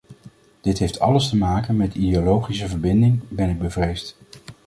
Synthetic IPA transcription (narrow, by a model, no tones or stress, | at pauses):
d̥ɪtɦejftʰɑ̰ləstəmaːkənmɛtideolowχisəvəɹbɪndɪŋbɛnɪɡ̚bəvrejst